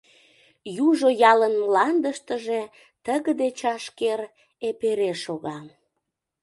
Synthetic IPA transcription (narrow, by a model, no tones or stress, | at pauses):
juʒojɑlənmlɑnd̪əʃt̪əʒe | t̪əɣəd̪et͡ɕɑʃkeɾ | epeɾeʃoɣɑ